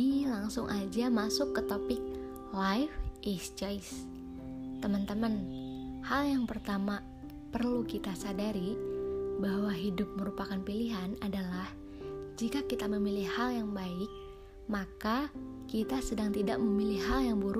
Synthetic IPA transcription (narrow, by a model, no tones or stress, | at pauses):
ilaŋsʊŋʔad͡ʒamasʊkːət̪opɪk̚ | lajfʔisd͡ʒaɪs | t̪əmənt̪əmənhaljaŋpərt̪ama | pərlukit̪asadaɾi | bahwaɦidʊp̚məɾupakanpiliɦanadalah | d͡ʒikakit̪aməmilɪhhaljaŋbaɪk̚ | makakit̪asədaŋt̪idaʔməmilɪɦaljaŋbuɾ